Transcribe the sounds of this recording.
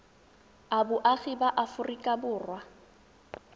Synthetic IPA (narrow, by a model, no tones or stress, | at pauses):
abʊʔaɣibaʔafʊrikʼabʊːrwa